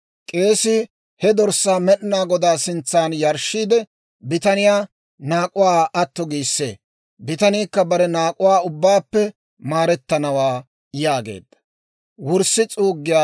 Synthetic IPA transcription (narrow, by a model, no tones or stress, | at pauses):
kʼe̞ːsɪ | hɛd̪ɔɾsːaːmɛɗɪnaːɡɔd̪aːsɪnt͡sːaːnjɐɾʃːiːd̪ɛ | bɪt̪ɐnɪjaː | naːkʼʊwaːɐt̪ːɔɡiːsːḛː | bɪt̪ɐniːkːɐbɐɾɛnaːkʼʊwaːʊbːaːpːɛ | maːɾɛt̪ːɐnɐwaː | jaːɡḛːd̪ːɐ̥ | wʊɾsɪt͡sʼuːɡːɪjaː